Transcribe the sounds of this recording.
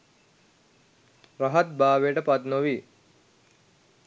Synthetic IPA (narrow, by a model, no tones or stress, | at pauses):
raɦɐt̪̚baːʋejəʈəpat̪noʋi